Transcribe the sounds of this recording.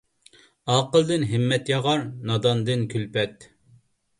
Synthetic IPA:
ɑːqəlˠd̪ɨnɦɪmːɛt̪jɑʁɑɾnɑd̪ɑnd̪ɨnkʲʰylpɛt̪

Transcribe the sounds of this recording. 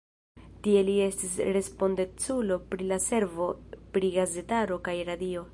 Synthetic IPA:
tie̞lie̞stisɾe̞spo̞nde̞t͡sulo̞pɾilase̞ɾvo̞pɾiɡaze̞taɾo̞kajɾadio̞

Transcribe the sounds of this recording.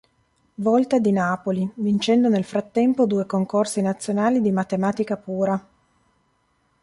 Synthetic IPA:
vɔlt̪ad̪inaːpolivint͡ʃɛnd̪onelfɾat̪ːɛmpod̪uːekoŋkorsinat̪sːjonaːlid̪imat̪emaːt̪ikapuːɾa

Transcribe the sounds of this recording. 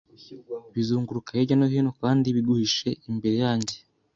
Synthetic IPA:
βizuːŋɡuɾukajeɟanoɦino̞kaːndiβiɡuhiʃe̞imbe̞ɾe̞jaːɲɟe

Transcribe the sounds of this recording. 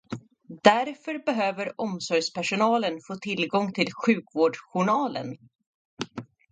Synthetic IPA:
d̪æɾfœɾbɛɦøːvəɾɔmsɔɾjspæʂʊnɑːlənfoːt̪ʰɪlɡɔŋt̪ʰɪlɧʉ̟ːkvoːɖɧʊɳɑːlə̰n

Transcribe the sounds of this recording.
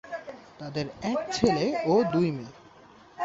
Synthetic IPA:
t̪ad̪eɾɛk̚t͡ɕʰeleod̪ujme

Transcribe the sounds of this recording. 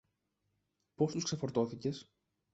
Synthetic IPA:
po̞st̪uskse̞fo̞ɾt̪o̞θice̞s

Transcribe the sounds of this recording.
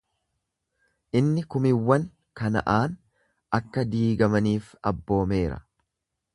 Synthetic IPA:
ʔɪnːɪkʊmɪwːɐn | kɐnɐ̰ʔaːn | ɐkːɐd̪iːɡɐmɐniːfɐbːo̞ːme̞ːɾɐ̰

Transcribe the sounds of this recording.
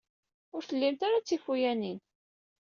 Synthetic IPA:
ʊɾθəlːimt̪aɾat͡sːifujænin

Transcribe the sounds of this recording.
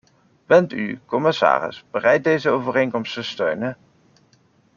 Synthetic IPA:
b̥ɛnty̰kɔmɪsa̰ːrɪ̰sbərɛjt̚dejzəowvərejŋkɔmstəstøɥnə

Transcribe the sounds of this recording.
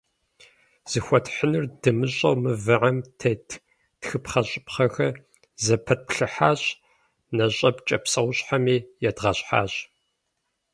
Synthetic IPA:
z̥ɨxʷɔtħənɨrdɨmɨɕʼɐwmɨvɨʕamtʰetʰ | txɨpχɐɕʼɪpχɐxɐ | zɐpʰɐt̚pɬɨħaːɕ | nɐɕʼɐpt͡ʃʼɐpsɐwʷɕʼħamiːjɛdʁɐɕʼħa̰ːɕ

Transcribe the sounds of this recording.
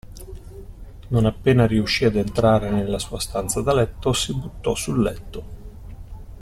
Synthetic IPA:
nonapːeːnaɾiuʃːiad̪ent̪ɾaːɾenelːasuːast̪ant̪sad̪alɛt̪ːosibut̪ːɔsulːɛt̪ːo

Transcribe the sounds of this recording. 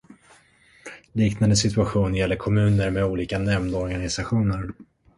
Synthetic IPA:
liːknand̪əsɪt̪ɵaɧuːnjɛlːəɾkʰɔmʉ̟ːnəɾmɛuːliːkanɛmd̪ɔɾɡanɪsaɧuːnəɾ

